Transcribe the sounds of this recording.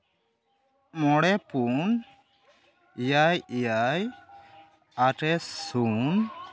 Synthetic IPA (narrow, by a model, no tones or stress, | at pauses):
mɔɽɛpun | ijajijaj | aʈɛsun